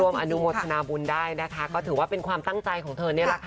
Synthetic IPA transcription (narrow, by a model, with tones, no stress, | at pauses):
u˧əmʔa˧nu˦˥mo˧t̪̚ʰa˧naː˧bu˧ndaː˥˩jna˦˥kʰa˦˥kɔː˥˩t̪ʰɯː˩˦waː˥˩pe˧nkʰwaː˧mt̪a˥˩ŋtt͡ɕa˧jkʰɔː˨˩˦ŋt̪ʰɤː˧ni˥˩ɐɾa˦˥k̪ʰ